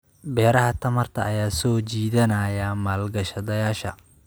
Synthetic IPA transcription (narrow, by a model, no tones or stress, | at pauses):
bɛːɾɐɦɐt̪ʰɐmɐrt̪ʰɐ̰ʔɐjaːsɔːt͡ʃiːðɐnɐjɐmaːlɡɐʃɐðɐjaːʃɐ